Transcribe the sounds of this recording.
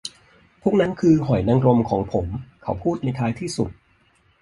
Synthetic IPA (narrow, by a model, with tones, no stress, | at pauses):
pʰuː˥˩k̚na˦˥nkʰɯː˧ɦɔ˨˩jna˧ŋɾo˧mkʰɔː˩˦ŋpʰo˩˦mkʰa˦˥wpʰuː˥˩t̪̚na˧jt̪ʰaː˧jt̪ʰiː˥˩sṵ˨˩t̪̚